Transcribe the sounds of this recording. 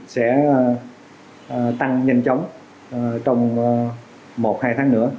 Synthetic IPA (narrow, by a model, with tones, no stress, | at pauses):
sɛ̰˧˥˨ | t̪a˧ŋɲə˧jŋt͡ɕə˨˦wŋ͡m | t͡ɕɔ˧wŋ͡m | mo˨˩t̚haː˧jt̪ʰaː˨˦ŋnɨ̰˧˥ə